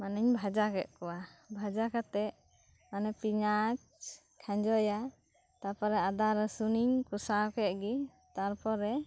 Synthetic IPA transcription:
maniɲbʱad͡ʒakɛʔ̪̚kɔwabʱad͡ʒakat̪ɛʔ | manɛpiɲat͡ʃ | kʰãɲd͡ʒɔja | t̪aɾpɔɾɛad̪aɾɛsuniɲkusakɛʔ̪̚ɡi | t̪aɾpɔɾɛ

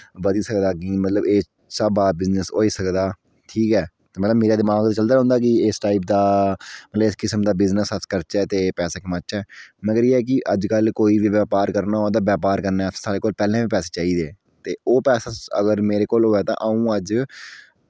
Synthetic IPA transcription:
bəd̪iːsəkd̪aːkimət̪ləbeː | səbaːbɪznəsoːiːsəkd̪aː | ʈʰiːkɛː | t̪eːmət̪ləbmeːɾaːd̪ɪmaːɡt̪t͡ʃəld̪aːɦʊ̃nd̪aːkɪɪsʈaːip̬̚d̪aːmət̪ləbɪskɪsəmd̪aːbɪznəsət̪kəɾt͡ʃɛːt̪eːpɛːsaːkɪmət͡ʃʃɛːməɡəɾjeːɛːk̬ɪʔəd͡ʒkəlkoːiːʋiːʋjaːpaːɾkəɾnaːɦoːd̪aːʋjaːpaːɾkəɾnaːt̪ːsaːɽeːkoːlpɛːlẽːʋiːpɛːseːt͡ʃaːiːd̪eː | t̪eːoːpɛːsaːə̰ɡəɾmeːɾeːkoːloːɛːt̪ã̰ːʔaːũːəd͡ʒ

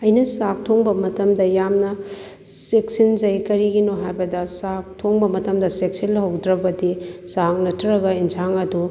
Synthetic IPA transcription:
ɐjnɐsak̚tʰoŋbɐmɐtɐmdɐjamnɐ | seksind͡ʒɐjkɐɾiɡinoɦajbɐdɐsak̚tʰoŋbɐmɐtɐmdɐsek̚sinɦɐwdɾɐbɐdisak̚nɐtʰːɐɾɐɡɐind͡ʒʰaŋɐdu

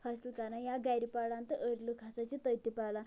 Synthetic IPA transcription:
fəslkaɾãnjaɡajɾipaɽãnt̪əʔəɾlukʰasat͡ɕit̪əjt̪ipala

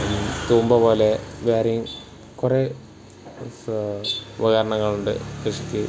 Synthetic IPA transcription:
t̪uːmbɐpo̞ːleʋaːɾɐjum | kure | ʋɐɣɐɾɐɳɐŋːɐɭuɳɖɨ̰keʂi̥kʲːɨ

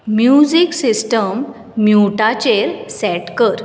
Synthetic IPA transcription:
mjud͡ʑiksisʈəmː | juʈat͡ɕeɾsɛʈkəɾ

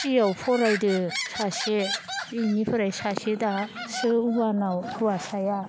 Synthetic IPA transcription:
sijawpʰɔɾajdɯsaseinipʰɯɾajsasedasɯuwanawkʰuwasaja

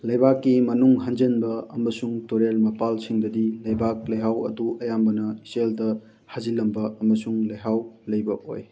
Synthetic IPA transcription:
lɐjbakːimɐnuŋɦand͡ʒenbɐɐmɐsuŋtoɾelmɐpalsiŋdɐdilɐjbak̚lɐjɦawɐ̰duʔɐjambɐnɐiseldɐ | hazilɐmbɐɐmɐsuŋlɐjɦawlɐjbɐo̰j

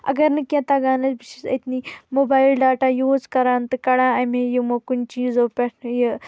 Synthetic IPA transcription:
ɐ̰ɡɐɾnɨkʲjãt̪ɐɡaːnɐt͡sbiʃisɐ̰t̪niːmobaːilɖaːʈajuːd͡zkɐɾãːnt̪ɨkɐɽãːɐmejimokunt͡ʃiːzopʲɐʈʰjə

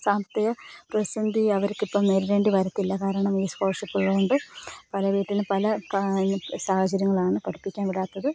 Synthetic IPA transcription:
saːmɐt̪ːiɣɐprɐsɐnd̪iɐʋɐɾukːipːoːmneɾuɾeːɳɖiʋɐɾɐt̪ːilːɐkaːɾɐɳɐmiːskoːrʂipːuɭːɐɣoɳɖɨpɐlɐʋiːʈːinɨpɐlɐ | saːhɐt͡ɕɐɾjɐŋːɐɭaːɳɨkɐɽupːikʲːaːnʋiɽaːt̪ːɐðɨ

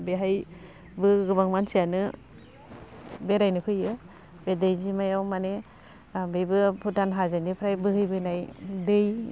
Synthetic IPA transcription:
beɦaj | bɯɡɯbaŋmansijanɯ | beɾajnɯkʰɯjɯ | bedajzimajawmane | bejbɯpʰutanɦazanipʰɾajbɯɦɯjbɯnajdɯj

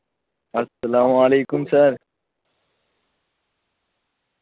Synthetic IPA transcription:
ɐsːɐlaːmaleːkʊmsɐɾ

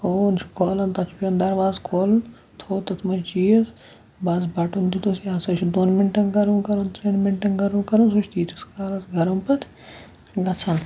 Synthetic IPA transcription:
ont͡ʃʰkʰoːlɐnt̪ɐt̪ʰpɐnd̪ɐɾʋaːzkʰoːln | t̪ʰoːt̪ɐt̪ʰmɐt͡ʃiːɐz | bɐzbɐʈund̪it̪usijaːsɐt͡ʃʰid̪oːnmiɳʈɐnɡɐɾunkɐɾɐnt̪ɾinmiɳʈɐnɡɐɾunkɐɾɐnsut͡ʃʰt̪iːt̪ʰiskaːlɐsɡɐɾɐmpɐt̪ʰ | ɡɐt͡sʰɐn

